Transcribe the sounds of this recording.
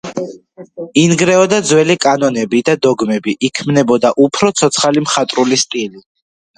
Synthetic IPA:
inɡɾɛɔd̪ad̪zwɛlikʼanɔnɛbid̪ad̪ɔɡmɛbiʔikʰmnɛbɔd̪aʔupʰɾɔt̪sʰɔt̪sʰχalimχat̪ʼɾulist̪ʼili

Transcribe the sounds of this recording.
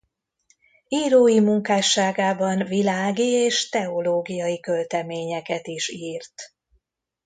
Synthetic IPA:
iːɾoːjimuŋkaːʃːaːɡaːbɒnvilaːɡieːʃt̪ɛo̞loːɡijɒjikølt̪ɛmeːɲɛkɛt̪iʃiːrt̪

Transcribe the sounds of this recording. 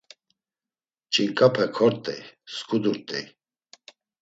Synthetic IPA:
t͡ʃʼiŋkʼapʰɛkʰɔɾt̪ʼɛjskud̪uɾt̪ʼɛ̰j

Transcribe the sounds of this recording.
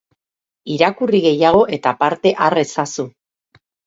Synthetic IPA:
iɾakuriɣe̞jaɣ̞o̞ʔe̞t̪apaɾt̪e̞ʔare̞sasu

